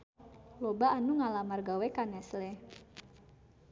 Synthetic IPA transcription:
lobaːnuŋalamarɡawɛkanɛslɛ

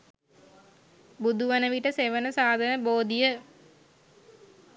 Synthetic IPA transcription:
bud̪uʋɐnəʋiʈəseʋənəsaːd̪ʱɐnəboːd̪ijə

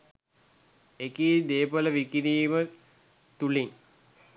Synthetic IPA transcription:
ekiːd̪eːpələʋikiɾiːmə | t̪uliŋ

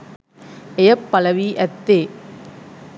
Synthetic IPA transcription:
ejɐpːɐlɐʋiʔɛt̪ːeː

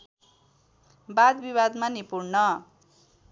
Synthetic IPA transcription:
bad̪biβad̪manipuɾnʌ

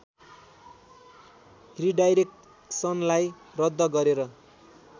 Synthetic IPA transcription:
ɦriɖajɾek̚ʈ | sʌnlaj | rʌd̪ːʌɡʌɾeɾʌ

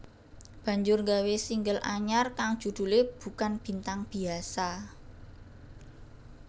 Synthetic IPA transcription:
b̥ä̤ɲd͡ʒʊrŋɡawesiŋɡəlʔaɲarkaŋd̥ʒ̥ṳd̪̥ṳleb̥ṳkanb̥i̤nt̪aŋb̥i̤asa

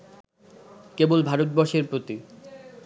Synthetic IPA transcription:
kebolbʱaɾot̪̚bɔʃeɾpɾot̪i

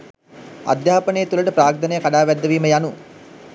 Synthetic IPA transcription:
a̰d̪jaːpənəjət̪uləʈəpɾaːk̚d̪ənəjəkaɖaːʋæd̪ːəʋiːməjanu

